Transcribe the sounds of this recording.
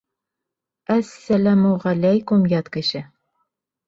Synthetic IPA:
æsːælæmuʁælæjkʊmjɑt̪kɘ̆ʃɘ

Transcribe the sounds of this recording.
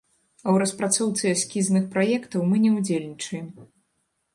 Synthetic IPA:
ɐwɾɐspɾat̪sɔwt̪sɨasʲkʲiznɨxpɾajɛkt̪ɐwmɨnʲɛwd͡zʲelʲnʲit͡ʂɐjɛm

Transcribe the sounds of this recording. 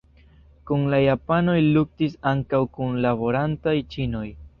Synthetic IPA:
kunlajapano̞jluk̚tisaŋkawkunlabo̞ɾantajt͡ʃino̞j

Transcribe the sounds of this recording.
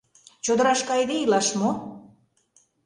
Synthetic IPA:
t͡ɕod̪ə̆ɾɑʃkɑjd̪eilɑʃmo

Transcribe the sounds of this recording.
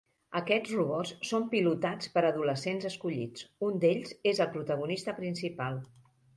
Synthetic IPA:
əkɛd͡zruβɔsːompilut̪at͡spəɾəðuləsenzəskuʎḭt͡sund̪eʎzezəlˠpɾut̪əɣ̞unist̪əpɾinsipalˠ

